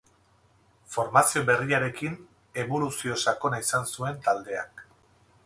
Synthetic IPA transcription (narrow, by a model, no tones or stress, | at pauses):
fo̞ɾmasio̞be̞riaɾe̞kin | e̞βo̞lusio̞sako̞naisansue̞nt̪ald̪e̞a̰k